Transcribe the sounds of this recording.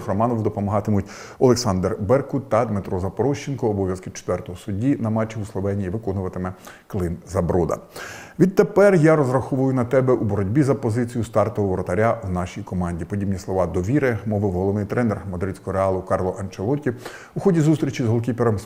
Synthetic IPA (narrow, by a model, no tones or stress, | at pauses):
xrɔmɑnɔwd̪ɔpɔmɔɦɑt̪ɪmʊtʲ | ɔlˠeksɑnd̪rbɛrkʊt̪ɐd̪mɪt̪ɾɔzɐpɔɾɔʃt͡ʃːenkɔːbɔʋjɐskɪt͡ʃe̥t̪ʋɛrt̪ɔɦɔsʊdʲinɐmɑt͡ʃʲːiuslˠɔʋɛnʲijiʋɪkɔnʊʋɐt̪ɪmɛklˠɪnzɐbɾɔd̪ɐ̰ʋʲid̪̚t̪epɛrjaɾɔzrɐxuʋʊjʊnɐt̪ɛbɛʔubɔɾɔdʲbʲizɐpɔzɪt͡sʲijʊst̪ɑrt̪ɔɦɔʋɔɾɔt̪ɐɾʲawnɑʃʲijkɔmɑnʲdʲipɔdʲibnʲislˠɔʋɑd̪ɔʋʲiɾɪmɔʋɪwɦɔlˠɔʋnɪjt̪ɾʔɛnermɔd̪ɾɪsʲkɔɦɔɾeɑlˠʊkɑrlˠɔʔɐnt͡ʃelˠɔtʲi | uxɔdʲizust̪ɾʲit͡ʃizɦɔlˠk̬ʲipeɾɔm